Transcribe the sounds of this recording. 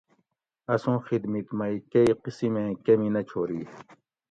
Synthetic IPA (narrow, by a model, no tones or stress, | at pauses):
ɐsõːxid̪mit̪mɐikɐiqisimẽkɐminɐt͡ɕʰoːɾi